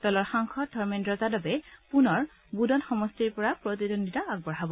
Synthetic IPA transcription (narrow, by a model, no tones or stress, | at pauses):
d̥ɔlɔɹxaŋkʰɔt̚dʱɔɹmendɹɔzadɔbɛpunɔɹ | budɔnxɔmɔstiɹpɔɹapɹot̪idonditaːɡ̚bɔɹɦabɔ